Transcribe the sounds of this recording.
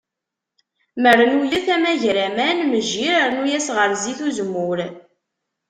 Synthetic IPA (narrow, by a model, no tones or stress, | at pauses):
məɾənulæθæmæʝɾæmænməʒːiɾəɾnujæsʁəɾziθuzmʊɾ